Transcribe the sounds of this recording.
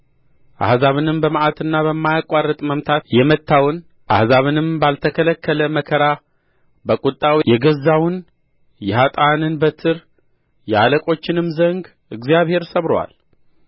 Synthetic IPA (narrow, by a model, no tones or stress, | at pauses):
ʔa̰hzaβɨnɨmbəmʔat̪ʰɨnːaβəmːajakʷʼarːət̪ʼməmt̪ʰat̪jɛmət̪ʰːawn | ʔa̰hzaβɨnɨmbalt̪ʰəkʰələkʰːələməkʰəɾa | bəkʼut̪ʼːawjɛɡəzːawn | jɛhat̪ʼanɨnbət̪ʰɨɾ | jɛaləkʼo̞t͡ʃːɪnɨmzəŋɡ | ʔɨɡzijaβhe̞ɾsəβɾwa̰l